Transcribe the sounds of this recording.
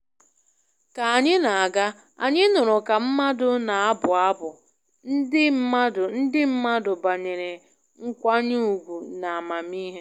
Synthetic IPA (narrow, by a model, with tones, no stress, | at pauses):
ka˨a˨ɲɪ˦na˨a˨ɡa˦ | a̰˨ɲɪ˦nʊ˨ɾʊ˨ka˨m̩˦ma˦dʊ˦na˨a˦bʊ˨a˦bʊ˨ | n̩˦ɪ˦m̩˦a˦dʊ˨n̩˦dɪ˦m̩˦ma˦dʊ˨ba˨ɲe˨ɾe˨ | ŋ̩˦kʷa˦ɲu˦u˨ɡʷu˨na˨a˨ma˨mi˦ɦe˦